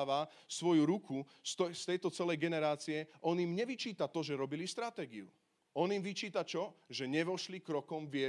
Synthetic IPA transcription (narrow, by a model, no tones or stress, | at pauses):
ʋa | sʋɔjuɾuku | st̪ɔst̪ɛjt̪ɔt͡sɛlɛjɡɛnɛɾaːt͡siɛʔɔnjimɲɛʋit͡ʃiːt̪at̪ɔʒɛɾɔbilist̪ɾat̪ɛːɡiu | ɔnimʋit͡ʃiːt̪at͡ʃɔʒɛɲɛʋɔʃlikɾɔkɔmʋɪɛ